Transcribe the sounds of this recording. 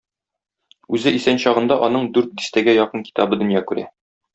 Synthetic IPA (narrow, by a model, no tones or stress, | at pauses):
ʉzɘʔisænɕɒʁɤ̆nd̪ɑʔɒnɤɴd̪ʉɾt̪̚d̪ist̪æɡæjɒqɤnki̥t̪ɑbɤd̪ɵ̆njɑkʉɾæ̰